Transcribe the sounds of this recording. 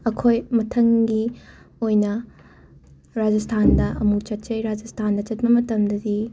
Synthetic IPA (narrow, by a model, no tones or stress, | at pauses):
ɐkʰojmɐtʰɐŋɡi | ojnɐ | ɾad͡ʒɐstʰandɐʔɐmut͡ʃɐt̚t͡ʃɐjɾad͡ʒɐstʰandɐt͡ʃɐt̚bɐmɐtɐmdɐdi